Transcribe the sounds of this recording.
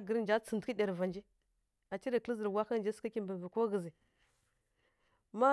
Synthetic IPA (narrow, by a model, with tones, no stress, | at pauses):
ɡə˨ɾnd͡ʒa˦t͡sə˨n˨tkə˦ɗʲa˨ɾva˨nd͡ʒi˦ | a˨t͡ʃi˦ɾa˨kli˦zə˨ɾwa˦xa˦nd͡ʒa˦ska˦kʲi˦mbə˨və˨ko˦ɣə˨zi˨ | ma˦